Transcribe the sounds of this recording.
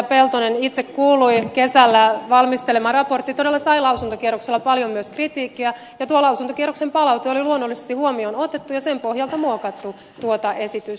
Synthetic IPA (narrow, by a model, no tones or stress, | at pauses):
pelt̪onenit̪sekkuːluikesælːæʋɑlmist̪elemɑrɑport̪ːit̪odelːɑsɑilɑusunt̪okierokselːɑpɑljommyøskrit̪iːkːiæ | jɑt̪uolɑusunt̪okieroksempɑlɑut̪eoliluonːolːise̥st̪ihuomionot̪et̪ːujɑsempohjɑlt̪ɑmuokɑt̪ːu | t̪uot̪ɑʔesit̪ys